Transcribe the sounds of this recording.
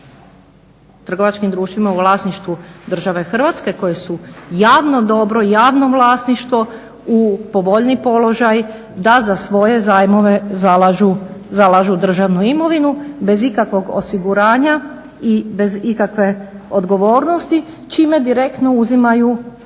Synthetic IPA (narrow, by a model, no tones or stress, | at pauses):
t̪r̩ɡo̞ʋat͡ʃkimd̪ɾuːʃt̪ʋimauʋlˠaːsniʃt̪ʋud̪r̩ʒaʋe̞xr̩ʋaːt̪ske̞ko̞jesujaːʋno̞d̪o̞bɾo̞ijaːʋno̞ʋlˠaːsniʃt̪ʋo̞ | upo̞ʋo̞ʎnipo̞lo̞ʒaj | d̪azasʋo̞je̞zaːjmo̞ʋe̞zalaʒuzalˠaʒud̪r̩ʒaʋnuimo̞ʋinube̞zikakʋo̞ɡo̰siɡuɾaːɲa | ibe̞zikakʋe̞o̞d̪ɡo̞ʋo̞ːɾno̞st̪i | t͡ʃiːme̞d̪iɾe̞kt̪no̞uzimaju